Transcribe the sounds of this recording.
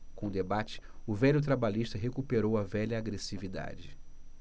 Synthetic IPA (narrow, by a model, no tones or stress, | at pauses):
kõd̪ebat͡ʃɪ̥ʊvɛʎʊt̪̬ɾabaliʃt̪ɐɦekupeɾowɐvɛʎɐːɡɾesivid̪a̰d͡ʒɪ